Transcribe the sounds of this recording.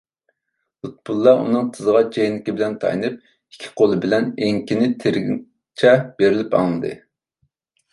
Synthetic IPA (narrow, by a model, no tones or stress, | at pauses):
lut̪̚bʰulˠːɑṵnɨŋt̪ʰɨzəʁɑt͡ʃʰejnɪkʲibɪlɛnt̪ʰɑ̰jnɨp̚ | i̥kʲʰːi̥qʰolˠɨbɪlɛneŋkʲinɪt̪ʰeɾɡ | t͡ʃʰɛb̥eɾɪlɪpɑ̰ŋlˠɨd̪ɨ̰